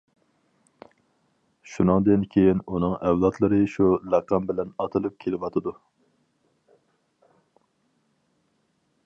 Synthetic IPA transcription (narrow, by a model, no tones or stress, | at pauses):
ʃunɨŋd̪ɨnkʲʰejinunɨŋɛwlˠɑt̪ʰlˠɨɾɨʃulɑqɑmbɪlɛnɑt̪ʰɨlˠɨp̚kʲʰelɪwɑt̪ʰɨd̪u